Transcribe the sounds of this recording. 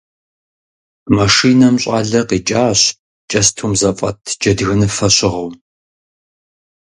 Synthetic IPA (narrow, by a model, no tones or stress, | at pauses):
mɐʂiːnɐmɕʼa̰ːɮɐqiːt͡ʃʼaːɕ | t͡ʃʼɐstʰuːmzɐfʼɐ̰tʰd͡ʒɐdɣɐnɨfɐɕɪʁɐw